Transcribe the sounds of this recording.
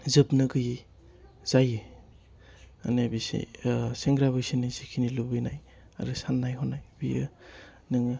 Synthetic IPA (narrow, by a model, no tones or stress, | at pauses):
zɯpnɯɡɯji | z̥ajɯ | a̰nebisḛseŋɡɾaβɯjsinajsikʰinilubɯjnaj | a̰ɾɯsanːajɦɔnajbijɯ̰ | nɯŋ